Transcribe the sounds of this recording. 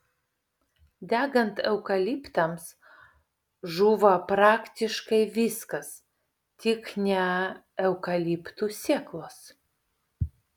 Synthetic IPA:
d̪ʲæːɡɐnt̪ɛʊkɐlʲiːpt̪ɐms | ʒuːʋɐpɾɑːkt̪ʲɪʃkɐɪʋʲɪskɐs | t̪ʲɪknʲɛ | ɛʊkɐlʲipt̪uːsʲiɛklˠoːs

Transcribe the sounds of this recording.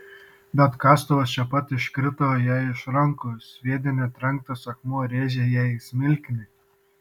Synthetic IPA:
bʲɛt̪kɑːst̪oʋɐst͡ʃʲɛpɐt̪ɪʃkɾʲɪt̪oːjæɪʃɾɐŋkosʋʲiɛd̪ʲɪnʲɛt̪ʲɾʲɐŋk̚t̪ɐsɐkmoːɾʲeːʒʲɛjæɪsʲmʲɪlʲkʲnʲɪ

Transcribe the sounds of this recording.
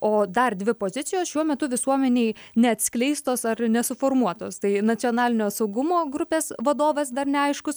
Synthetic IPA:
oːd̪ɐrd̪ʲʋʲɪpoːzʲɪtt͡s̪ʲɪjoːsʃʲuɔmʲɛt̪ʊʋʲɪsuɔmʲɛnʲeːɪnʲɛɐt̪ʲsʲklʲɛɪst̪oːsɐrnʲɛsʊfoːrmuɔt̪oːst̪ɐɪnɐt͡s̪ʲsʲɨoːnɑːlʲɪnʲoːsɐʊɡʊmoːɡɾʊpʲeːsʋɐd̪oːʋɐsd̪ɐrnʲɛɐɪʃkʊs

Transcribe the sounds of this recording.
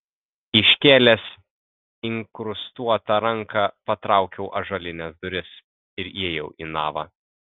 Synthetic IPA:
ɪʃʲkʲeːlʲɛs | ɪŋkɾʊst̪uɔt̪ɐɾɐŋkɑːpɐt̪ɾɑˑʊkʲɛʊʔɐʒɐlʲɪnʲɛsd̪ʊɾʲɪs | ɪɾeɛjɛʊʔḭːnɑ̰ːʋɑ̰

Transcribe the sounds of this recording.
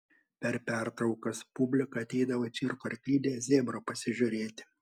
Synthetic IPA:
pʲɛɾpʲæˑɾt̪ɾɒʊkɐspʊbʲlʲɪkɐɐt̪ʲɛɪd̪ɐʋoːt͡ʃʲɪɾkoɪɾʲkʲlʲiːd̪ʲeːzʲeːmɾoːpɐsʲɪʒʲʊɾʲeːt̪ʲɪ̥

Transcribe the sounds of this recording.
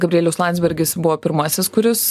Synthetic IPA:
ɡɐbʲɾʲieːlʲɛʊslˠɑnʲd̪zʲbʲɛɾʲɡʲɪsbʊʋoːpʲɪɾmɑːsʲɛskʊɾʲɪs

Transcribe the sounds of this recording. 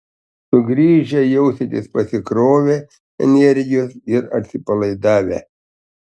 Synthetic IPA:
sʊɡɾʲiːʒʲɛjɛʊsʲet̪ʲɪspɐsʲɪkɾoːʋʲe | ɛ̰nʲɛɾʲɡʲɪjoːsɪɾɐ̰t̪ʲsʲɪpɐlˠɐɪd̪ɑːʋʲḛ

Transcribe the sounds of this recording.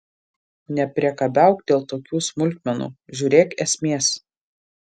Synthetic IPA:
nʲɛpʲɾʲiɛkɐbʲæˑʊkd̪ʲeːlˠt̪oːkʲuːsmʊlʲˑt̪̚ʲmʲɛnṵːʒʲuːɾʲeːkɛsʲmʲeːs

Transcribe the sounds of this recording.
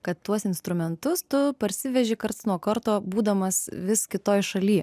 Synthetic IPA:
kɐt̪tːuɔsɪnst̪ɾʊmʲɛnt̪ʊst̪ʊpɐɾʲsʲɪʋʲɛʒʲɪkɐɾt̪snuɔkɐɾt̪oːbuːd̪ɐmɐsʋʲɪskʲɪt̪oːjʃɐlʲiɛ

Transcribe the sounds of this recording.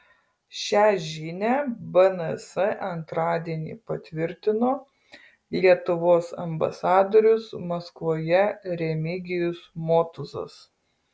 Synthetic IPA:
ʃʲæːʒʲiːnʲæbɐnɐsɛʔɐnt̪ɾɑːd̪ʲiɛnʲḭːpɐt̪ʲʋʲɪɾʲt̪ʲɪnoː | lʲiɛt̪ʊʋoːsɐ̰mbɐ̰sɑːd̪oːɾʲʊsmɐskʋoːjɛɾʲɛmʲɪɡʲɪjʊsmoːt̪ʊzɐ̰s

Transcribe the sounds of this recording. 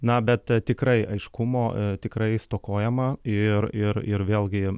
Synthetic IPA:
nɐbʲɛt̪t̪ʲɪkɾɐɪɐɪʃkʊmoːt̪ʲɪkɾɐɪst̪oːkoːjɛmɐɪrɪɾɪrʋʲeːlˠɡʲɪ

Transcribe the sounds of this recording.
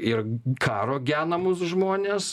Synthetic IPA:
ɪrkʰɑːɾoːɡʲæːnɐmʊsʒmoːnʲeːs

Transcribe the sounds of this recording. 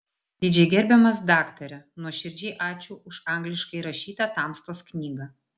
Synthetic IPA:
d̪ʲɪd͡ʒʲɛɪɡʲɛɾʲbʲɛmɐs̬d̪ɑːkt̪ɐɾʲɛnuɔʃʲɪɾʲd͡ʒʲɛːʔɑːt͡ʃʲuːʔʊʃɑˑŋɡlʲɪʃkɐɪɾɐʃʲiːt̪ɐt̪ɑːˑmst̪oːsknʲiːɡɐ

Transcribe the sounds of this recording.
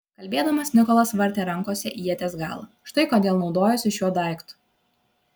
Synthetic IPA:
kɐlʲbʲeːd̪ɐmɐsnʲɪkɔlˠɐsʋɐɾʲt̪ʲeːɾɐŋˑkoːsʲɛʔiːjɛt̪ʲeːsɡɑ̰ːlˠɐ̰ʃt̪ɐɪkoːd̪ʲeːlˠnɒʊd̪oːjɛsʲɪʃʲjuɔd̪ɐˑɪkt̪ʊ̥

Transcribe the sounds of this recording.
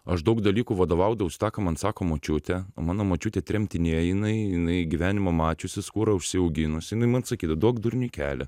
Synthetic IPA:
ɐʃd̪ɐʊkd̪ɐlʲiːkuːʋɐd̪oːʋɐʊd̪ɐʋʲɛʊst̪ɑːkɐmɐnsɑːkoːmoːt͡ʃʲʊt̪ʲɛo̰mɑːnoːmoːt͡ʃʲuːt̪ʲɛːt̪ʲɾʲɛmʲt̪ʲɪnʲeːjjɪnɐɪjɪnɐɪɡʲiʋʲæːnʲɪmɐmɑːt͡ʃʲʊsʲɪskuːɾɐʊʃʲsʲɪɐʊɡʲɪnʊsʲɪɪnɐɪmɐnsɐkʲiːd̪ɐd̪uɔkd̪ʊɾʲnʲʊkʲæ̰ːlʲɛ

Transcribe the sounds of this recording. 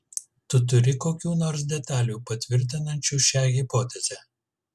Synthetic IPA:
t̪ʊt̪̬ʊɾʲɪkoːkʲuːnoːɾs̬d̪ʲɛt̪ɑːlʲuːpɐt̪ʲʋʲɪɾʲt̪ʲɪnɐnʲt͡ʃʲuːʃʲæːɣʲɪpoːt̪ʲɛzʲɛː

